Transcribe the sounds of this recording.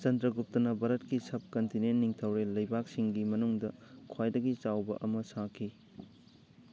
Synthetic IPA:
t͡ʃɐndɾɐɡup̚tɐnɐbɐɾɐtkisɐp̚kɐntinenːiŋtʰɐwɾelɐjbak̚siŋɡimɐnuŋdɐkʰwajdɐɡit͡ʃawbɐ̰ʔɐmɐsakʰi

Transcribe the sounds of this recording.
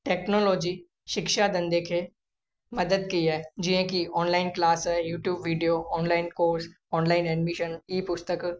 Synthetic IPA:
ʈeːknoːloːd͡ʒiː | ʃɪkʃad̪ɐ̃nd̪ekʰe | mɐd̪əd̪kiɦɛːd͡ʒiɦẽkiɔːnlaːɪnklaːsɛjuːʈjuːbʋiːɖijoːɔːnlaːɪnkoːɾs | ɔːnlaːɪnɛɖmɪʃəniːpʊst̪ək

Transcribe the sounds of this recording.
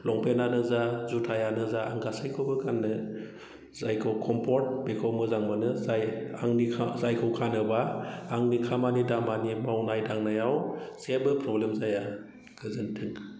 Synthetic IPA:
lɔŋpʰenanɯzazutʰajanɯzaa̰ŋɡasajkʰɯwbɯkʰanːɯ | zajkʰɔwkʰɔmpʰɔɾt̚bekʰɔwmɯzaŋmɯnɯzajaŋnikʰazajkʰɯwkʰanɯbaːŋnikʰamanidamanimawnajdaŋnajawsebɯpʰɾɔblemzaja | ɡ̥ʰɯzɯntʰɯŋ

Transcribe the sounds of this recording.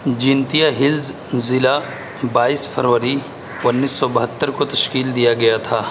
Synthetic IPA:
d͡ʒɪ̃nt̪ijaɦɪlz | zɪla | baːiːsfʰəɾʋəɾi | ʊnːiːsːɔbɐɦət̪ːəɾkot̪ɐʃkiːld̪ijaɡɐjat̪ʰaː

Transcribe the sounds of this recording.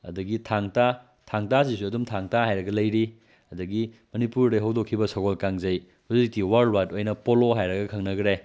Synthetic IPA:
ɐ̰dɐɡitʰaŋta | tʰaŋtas̬isuɐdumtʰaŋtaɦajɾɐɡɐlɐjɾi | ɐdɐɡimɐnipuɾdɐɦɐwdokʰːibɐsɐɡolkaŋzɐj | huzik̚tiwaɾlwatojnɐpoloɦajɾɐɡɐkʰɐŋnɐɡɾe

